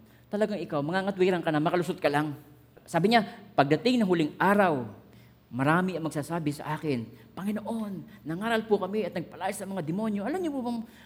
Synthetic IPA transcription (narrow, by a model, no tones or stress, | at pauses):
t̪ɐlɐɡaŋɪkawmɐŋaŋɐt̪wiːɾɐŋkɐnamɐkɐlʊsot̪̚kɐlaŋ | saːbɪɲapɐɡ̚d̪ɐt̪ɪŋnɐŋhʊlɪŋʔaːɾaw | mɐɾaːmɪʔɐŋmɐɡ̚saːsaːbɪsɐ̰ʔaːkɪnpɐŋɪnoʔo̞nːɐŋaːɾɐlpʊkɐmɪɐt̪nɐɡ̚pɐlaːjɪsɐmɐŋad̪ɪmo̞njo̞ʔɐlamɲopubɐŋ